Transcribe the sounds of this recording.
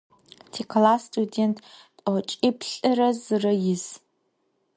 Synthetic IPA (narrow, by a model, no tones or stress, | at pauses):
tʰikʰlasːtʼudʲentʼ | ot͡ʃʼipʰɬʼɨɾazrɨjɪs